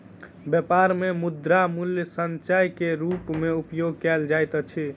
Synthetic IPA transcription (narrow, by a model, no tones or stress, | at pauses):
bjepaɾmemud̪ɾamuljsənt͡ʃajkeɾupmeupjoɡ̚kɛld͡ʒajt̪ət͡ʃʰi